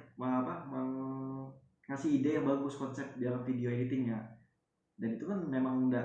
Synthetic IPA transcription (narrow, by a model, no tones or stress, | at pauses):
waapamaŋ | kasiidajabaɡʊskɔnsɛp̚didalamfideoɦit̪ɪŋja | danit̪ukanmemaŋuda